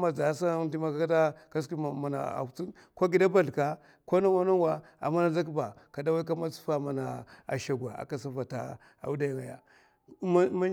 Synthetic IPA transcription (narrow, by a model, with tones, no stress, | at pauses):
ma˨za˨˦sa˦di˦ma˦ka˦kta˦ka˦ski˦˨ma˨na̰˨a̰˨t͡si˦ | ko˦ɡi˨da˦ba˦ɬka˨ | ko˦na˦wa˦na˦n˦wa˨ | a̰˨mːa˦na˦za˦k̬i˦ba˨ka˨da˦wa˦i˦k̬a˦ma˦su̥˦fa˦ma˨na˨a̰˨ʃa˨ɡʷa˨a̰˨ka˨sa˦fa˨ta̰˦ | a̰˨u˦da˦ja˨ŋa˨ja̰˨˦ | ma˦